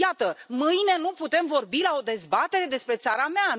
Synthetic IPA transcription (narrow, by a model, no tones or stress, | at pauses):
jat̪əmɨjne̞nuput̪e̞mvo̞rbilao̞d̪e̞zbat̪e̞ɾe̞d̪e̞spɾe̞t̪saɾamea